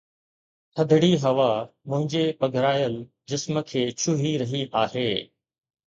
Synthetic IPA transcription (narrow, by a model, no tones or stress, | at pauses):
tʰɐd̪ʱɽiɦɐʋamʊ̃ɦɪ̃ɲd͡ʑepɐɡʱɾaːjəl | d͡ʑɪsmə̆kʰeːt͡ɕʰʊɦiɾɐɦiʔaːɦeː